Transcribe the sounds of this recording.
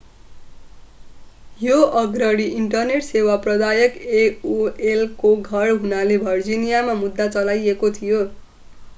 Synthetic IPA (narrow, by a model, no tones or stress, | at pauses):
joʔʌɡɾʌɽiʔiɳʈʌrneʈsewaprʌd̪ajʌkeuelkoɡʱʌrɦunalebʱʌrd͡zinijamamud̪ːat͡sʌlajekot̪ʰijo